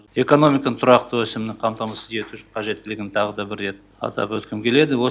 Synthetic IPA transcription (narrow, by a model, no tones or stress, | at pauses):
e̞ko̞no̞mʲikɑnət̪ʰʊɾɑqt̪əwɵsemɪnɪŋqʰɑmt̪ɑmɑsəzje̞t̪uʃɪɴqʰɑʒe̞t̪ːɪlɪɡʲɪɪnt̪ʰɑʁəd̪ɑbɪɾːe̞t̪̚ | ɑ̰t̪ɑ̰pwɵt̪kʲɪmkʲʰe̞le̞d̪ɪwo